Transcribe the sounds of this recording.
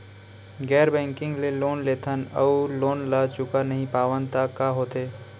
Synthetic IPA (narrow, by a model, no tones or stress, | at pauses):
ɡɛːɾbɛ̃ːŋkɪ̃ŋɡleloːnleːt̪ʰənɐ̰uloːnlat͡ʃʊkanɐɦĩpaːʋənt̪akaɦoːt̪eː